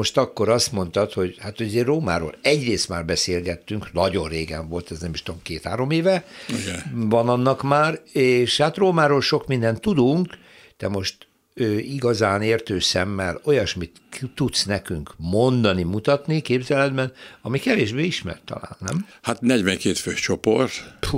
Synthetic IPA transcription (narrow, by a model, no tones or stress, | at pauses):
oʃt̪ɒkːo̞ɾɒst̪mo̞nt̪ɒt̪ho̞ɟhat̪hojɒzeːrroːma̰ːɾo̰ːlɛɟreːst̪ma̰ːrbɛseːlɡɛt̪ːyŋknɒɟo̞rreːɡɛ̰ɱvo̞lt̪ɛznɛmiʃt̪omkeːt̪ha̰ːɾo̞meːvɛiɡɛvɒnɒnːɒkmaːreːʃhat̪roːmaːɾoːlʃo̞kmind̪ɛnt̪ːud̪uŋk | d̪̥ɛmo̞ʃt̪ | øːiɡɒzaːneːrt̪øːsɛmːɛlo̞jɒʃmit̪t̪ːut̪snɛkyŋkmo̞nd̪ɒnimut̪ɒt̪nikeːbzɛlɛd̪bɛnɒmikɛveːʒbeːiʃmɛ̰rt̪ːɒ̰la̰ːnːɛ̰mhat̪nɛɟʋɛŋkeːt̪føːʃt͡ʃopo̰rt̪